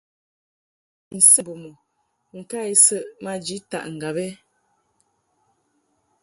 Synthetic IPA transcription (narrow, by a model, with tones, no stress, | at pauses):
n̩˨sə˦bo˨mo˨ | ŋ̩˨ka˦i˦sə˦ʔma˦d͡ʒi˨˦ta̰˦˨ʔŋ̩˨ɡa˨bɛ˦